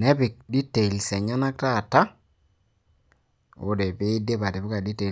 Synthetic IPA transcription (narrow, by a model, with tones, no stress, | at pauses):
nɛ˦pɪ˨k̚di˦te˨i˨lsɛ˨ɲa˦na˦k̚taː˦˨ta˦ | o˦de˨pe˦ɪ˦de˦pa˨tɪ˨bʊ˦ka˨di˦te˨